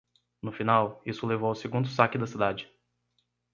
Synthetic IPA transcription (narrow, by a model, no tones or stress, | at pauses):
nʊfinawisʊlevowʊseɡũnd̪ʊsakɪd̪ɐsid̪ad͡ʒɪ